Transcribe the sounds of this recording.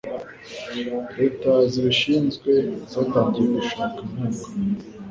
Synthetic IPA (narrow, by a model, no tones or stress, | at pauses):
etaziβiʃiːnzɡwe̞zaːtaːɲɟiɾeɡuʃaːkam̥aːkḁ